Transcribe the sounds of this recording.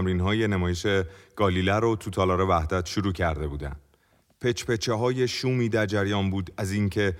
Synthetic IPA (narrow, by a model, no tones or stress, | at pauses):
mɾinɦɒːje̞nemɒːje̞ʃeɡ̥ɒːliːlæɾot̪ʰut̪ʰɒːlɒːɾe̞væhd̪æt̪ʰʃuɾuːcʰæɾd̪e̞buːd̪æ̰nd̪̥ | pʰe̞t͡ʃʰpe̞t͡ʃʰeɦɒːje̞ʃuːmiːd̪æɾd͡ʒæɾjɒːnbuːd̪æziːŋcʰe̞